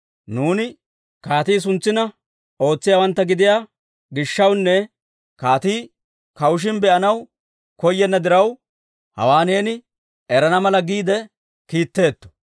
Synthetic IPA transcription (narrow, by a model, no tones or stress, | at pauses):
nuːnɪ | kaːt̪iːs̬ʊnt͡sːɪnɐ | o̞ːt͡sːɪjaːwɐnt̪ːɐɡɪd̪ɪjaː | ɡɪʃːɐwnːɛ | kaːt̪iː | kɐwʊʃ̬ɪnbɛʔɐnɐw | kɔjːɛnːɐd̪ɪɾɐw | hɐ̰waːneːnɪ | ɛɾɐnɐmɐlɐɡiːd̪ɛ | kiːt̪ːe̞ːt̪ːɔ̥